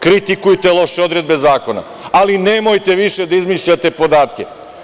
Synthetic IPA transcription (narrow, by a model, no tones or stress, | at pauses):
kɾit̪ikujt̪elˠo̞ʃeod̪ɾe̞d̪̚be̞zaːko̞na̰ | alinemo̞jt̪e̞ʋiʃe̞d̪aizmiʃʎat̪e̞po̞d̪aːt̪kʲe̞